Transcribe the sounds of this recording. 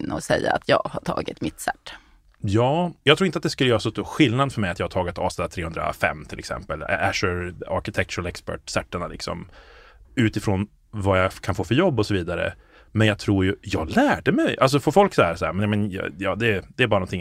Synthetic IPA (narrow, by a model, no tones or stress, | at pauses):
nːɔsɛjːa̰at̪ʰjɑːɡhaʈʰɑ̰ːɡɪt̪mɪt̪sæʈ̪ː | jɑːjɑɡt̪ʰɾuːɪnat̪d̪ɛskɵləjœːɾasɔst̪uːɧɪlnad̪fœɾmɛɪjat̪jɑːhat̪ʰɑːɡɪt̪ʰɑ̰ːvst̪ɛlːt̪ʰːɾeːhɵnd̪ɾa̰fɛ̰mːt̪ʰɪlɛ̰ksɛ̰mpəl̰æʂəɾa̰ɾkɪt̪ʰɛk̚t̪ʰɾlɛkspæ̰ʈsɛʈ̪ːəɳalɪ̰ksɔ̰m | ʉ̟ːt̪ɪfɾoːn | vajakʰanfoːfœɾjɔbːɔsɔviːd̪aɾə̰ | mɛnjɑɡ̚t̪ʰɾuːɾjɵjɑːɡlæːɖəmɛjals̬ɔfɔɾfɔlksaaɾsaæːɾmɛnjamɛnj̰jɑːd̪ɛd̪ɛːbɑɾnɔnt̪ʰɪŋ